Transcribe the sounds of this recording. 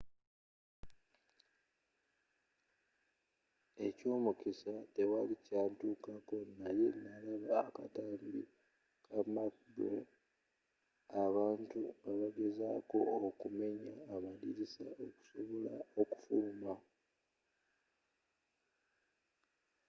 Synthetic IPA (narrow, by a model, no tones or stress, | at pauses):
e̞co̞ːmukisate̞walicaːntuːkako̞naje̞nalaβaːkataːmbḭ | kʰamakbo̰ | aβaːntuaβaɡe̞zaːko̞ːkume̞ɲaːβaliɾisaoku̥so̞βo̞la̰o̞ku̥fuːma